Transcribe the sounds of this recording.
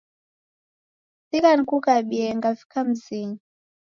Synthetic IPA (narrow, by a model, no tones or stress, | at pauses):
sikankukaɓiɛŋɡafi̥kam̩siɲ